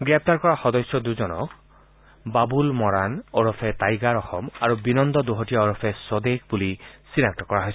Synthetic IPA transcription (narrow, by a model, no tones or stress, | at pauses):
ɡɹɛp̚t̪aɹkɔɹaxɔd̪ɔsjɔd̪uzɔnɔ̰k | babulmɔɹanɔɹɔpʰɛt̪ajɡaɹɔxɔmaɹubinɔnd̪ɔd̪oɦɔtijaɔɹɔpʰɛsɔd̪ekbulisinaktɔkɔɹaɦɔjs